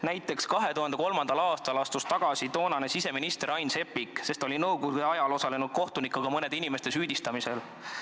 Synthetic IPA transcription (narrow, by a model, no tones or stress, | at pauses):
næjt̪ːˑe̞kskɑɦe̞t̪uhɑnd̪eko̞lmɑnd̪̥ɑlɑːst̪ɑlɑst̪ust̪ɑɡ̥ɑsit̪o̞ːnɑnesise̞minist̪e̞ɾɑjnse̞pːikse̞st̪o̞lʲinɤwɡ̥od̪eɑjɑlo̞sɑle̞nud̪̥̚ko̞ht̪unikːˑɑɡ̥ɑmɤne̞d̪̥inimest̪e̞syːd̪̥ist̪ɑmise̞l